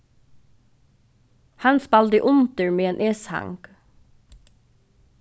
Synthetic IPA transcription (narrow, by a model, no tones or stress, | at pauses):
hɑnspɑld̪əʔʊnt̪əɹmeːeːnʔeːshɑ̰ŋɡ̥